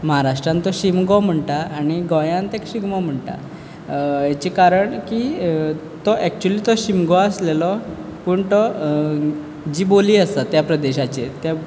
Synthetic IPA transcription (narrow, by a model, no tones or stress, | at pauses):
məɦaɾaʂʈɾãnt̪ɔɕimɡɔm̤əɳʈ̪aːɽ̃iɡɔ̃jãnt̪ekɕiɡmɔm̤əɳʈ̪a̰ | jat͡ɕikaɾəɳki | t̪ɔʔɛk̚t͡ɕuəliːt̪ɔɕimɡɔəslelɔpuːɳt̪ɔ | d͡ʑiːboliːəst̪at̪japɾəd̪eɕat͡ɕet̪ja